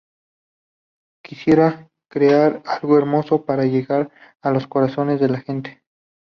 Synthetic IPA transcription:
kisje̞ɾa | kɾeaɾalɣo̞e̞ɾmo̞so̞paɾaʝe̞ɣaɾ | alo̞sko̞ɾaso̞ne̞zðe̞laxe̞nt̪e

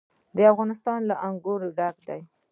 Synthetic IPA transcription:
d̪əafɣɑnɪst̪ɑnlaʔaŋɡuɾɖakd̪aj

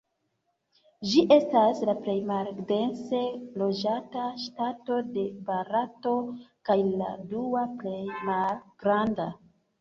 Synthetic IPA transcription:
ʒiʔe̞staslaple̞jmalde̞nse̞lo̞d͡ʒataʃtato̞de̞baɾato̞kajla̰duaple̞jmalɡ̥ɾanda

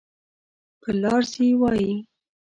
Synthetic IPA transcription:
kəlɑɾsiwɑji

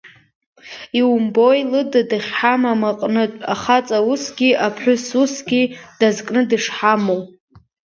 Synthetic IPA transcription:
iumbojlɨdadɨχʲħamamaqʼnɨtʷʼaχat͡sʼausɡʲiʔapʰħʷʊsusɡʲid̥azkʼnɨdɨʂħamow

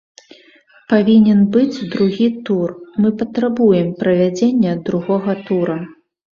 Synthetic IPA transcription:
pavʲinʲɛnbɨd͡zʲd̪ɾuɣʲit̪urmɨpɐt̪ɾabujɛmpɾɐvʲad͡zʲenʲːɛd̪ɾuɣɔɣɐt̪uɾɐ

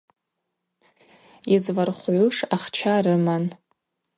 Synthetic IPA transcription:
izvarχʷʕʷʊʂaχt͡ʃʰaɾɨman

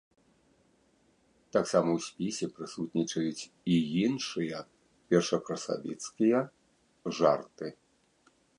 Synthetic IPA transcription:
t̪aksamɐwsʲpʲisʲɛpɾɨsut̪nʲit͡ʂɐjut͡sʲ | ijinʂɨjɐ | pʲɛrʂɐkɾɐsa̰vʲit̪skʲijɐ | ʐart̪ɨ

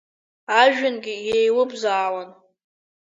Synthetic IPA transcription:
aʒᶣɪnɡʲɪjejlɨbzaːlan

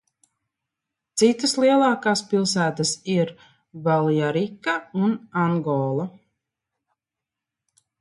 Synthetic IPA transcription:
t̪sit̪aslˠiɛlˠɑːkaːspilˠsæːt̪asiɾ | valˠjaɾikːaunaŋɡɔːlˠa

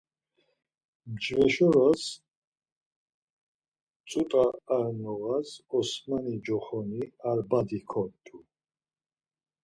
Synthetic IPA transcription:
md͡ʒvɛʃɔɾas | t͡sʼut̪ʼaːɾnɔɣasɔsmanid͡ʒɔχɔniaɾbad̪ikʰɔt̪ʰʼːu

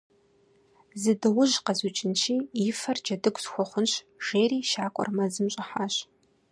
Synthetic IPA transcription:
zɨdɨwʊʒqɐzut͡ʃʼɪnʃʰiːɪfɐrd͡ʒɐdɨɡʷʼsxʷɔχʷʊnɕ | ʒ̥eːriːʃaːkʷʼɔ̰rmɐzɨmɕʼɪħaːɕ

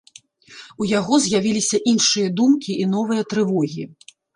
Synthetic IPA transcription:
ujaɣɔzʲjavʲilʲisʲɐʔinʂɨjɐd̪umkʲiʔin̪ɔvɨjɐt̪ɾɨvɔɣʲi

